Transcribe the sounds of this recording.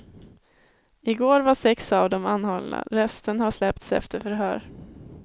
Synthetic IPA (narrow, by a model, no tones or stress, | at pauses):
ɪɡoːɾvaʂɛksavd̪ɔmanːhɔlna̰ɾɛst̪ənɦaʂlɛpt̪sɛ̰ft̪əɾfœɾɦœ̰ːɾ